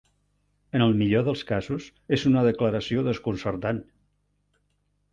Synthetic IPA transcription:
ənəlˠmiʎoðəlˠskazuz | ezunəðəkləɾəsioðəskunsərt̪an

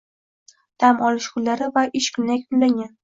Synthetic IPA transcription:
d̪̥amɒlɪʃqʰʊlːaɾɪvaʔɪʃkʲʰʊnːakʲbʊlːaŋʲan

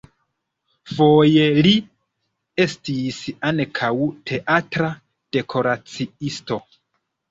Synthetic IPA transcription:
fo̞je̞li | e̞stisankʰawtʰe̞ʔatɾa | d̥e̞kʰo̞ɾat͡siisto̞

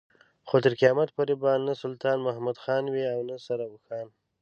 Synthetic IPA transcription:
xot̪əɾkijɑmat̪̚poɾebanasʊlt̪ɑnmʊɦamad̪xɑnwiawnasaɾawʊxɑːn

